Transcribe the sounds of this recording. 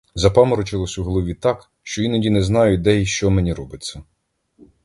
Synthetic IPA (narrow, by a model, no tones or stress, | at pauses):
zɐpɑmɔɾɔt͡ʃɪlˠɔsʲuɦɔlˠɔʋʲit̪ɑk | ʃt͡ʃɔinɐdʲinɛznɑjʊd̪ɛiʃt͡ʃɔmenʲiɾɔbɪt͡sʲːɐ